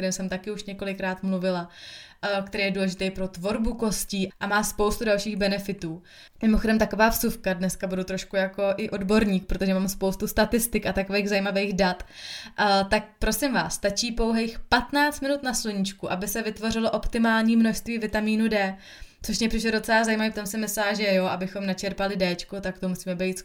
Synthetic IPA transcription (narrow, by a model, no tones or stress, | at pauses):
ɾɪmsɛmt̪akɪuʃɲɛko̞lɪkɾaːt̪mluvɪla | kt̪ɛɾejɛduːlɛʒɪt̪ejpɾo̞t̪vo̞ɾbuko̞sciːʔamaːspo̞wst̪udalʃiːɣbɛnɛfɪt̪uː | mɪmoxo̞dɛmt̪akovaːfsufkadnɛskabudut̪ɾoʃkujako̞ʔɪʔo̞dbo̞ɾɲiːk̚pɾo̞t̪oʒɛmaːmspowst̪ust̪at̪ɪst̪ɪkat̪ako̞vejɣzajimavejɣdat̪ʔt̪ak̚pɾo̞sɪmva̰ːsːt̪at͡ʃiːpo̞wɦejxpat̪naːt͡st̪mɪnut̪nasluɲɪt͡ʃkuʔabɪsɛvɪt̪vo̞rɪlo̞ʔo̞pt̪ɪmaːlɲiːmno̞ʃst̪viːvɪt̪amiːnudɛː | t͡soʃmɲɛpr̥ɪʃ̬lɛdo̞t͡sɛlazajimaviːft̪o̞msɪmɪslaːʒɛjoʔabɪxo̞mnat͡ʃɛɾpalɪdɛt͡ʃkot̪akt̪omusiːmɛbɛjt̪s